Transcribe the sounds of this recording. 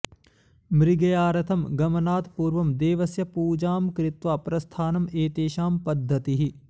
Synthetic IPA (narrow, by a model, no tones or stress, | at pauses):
mɾɪɡɐjaːɾɐt̪ʰɐmɡɐmɐnaːt̪puːɾʋɐmd̪eːʋɐsjɐpuːd͡ʒaːmkɾɪt̪ʋaːpɾɐst̪ʰaːnɐmeːt̪eːʃaːmpɐd̪ʱːɐt̪iɦi